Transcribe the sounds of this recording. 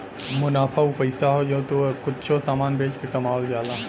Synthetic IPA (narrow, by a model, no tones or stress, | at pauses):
mʊnaːpʰəwpəɪsaɦod͡ʒot̪okʊtːʃʰosaːmaːnbʱeːd͡ʒkekəmaːld͡ʒaːla